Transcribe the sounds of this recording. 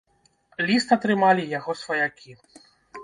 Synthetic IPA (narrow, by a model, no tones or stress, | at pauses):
lʲist̪ɐt̪ɾɨmalʲijaɣɔsvɐjakʲʰi